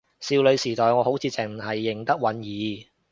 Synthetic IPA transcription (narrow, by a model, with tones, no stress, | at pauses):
siː˧wlɵ˨˧ɥsiː˨˩t̪ɔː˨jŋɔː˨˧ho˨˥wt͡sʰiː˨˧t͡sɪ˨ŋm̩˨˩hɐ˨jːɪ˨˩ŋt̪ɐ˥k̚wɐ˨˥njiː˨˧